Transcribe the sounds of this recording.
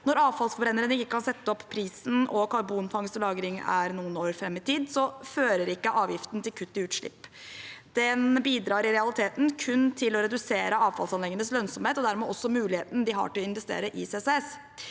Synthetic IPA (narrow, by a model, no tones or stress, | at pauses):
nɔɾɑːʋfɑlsfɔɾeːnəɾənɪkːəkʰɑnsɛt̪ːəɔpːpʰːɾiːsn̩ɔkʰɑɾbuːnfɑŋst̪əlɑːɡɾɪŋæ̰ɾnuːənoːɾfɾɛmːɪt̪ʰiːd̪sɔføːɾəɾɪkːəʔɑːʋjɪft̪n̩t̪ɪlkʰʉt̪ːɪʉːt̪ʂɭɪ̰pː | d̪̥ɛnbiːd̪ɾɑːɾɪɾɛɑlɪt̪ʰeːt̪n̩kʰʉnːt̪ʰɪlɔɾɛd̪ʉseːɾəɑːʋfɑ̰lsɑnlɛŋːənəslœnsɔmheːt̪ɔd̪æɾmɛʔɔsːɔmʉːlɪheːt̪n̩d̪ɪɦɑ̰ʈɪlɔɪnʋɛst̪ḛːɾəʔɪseːses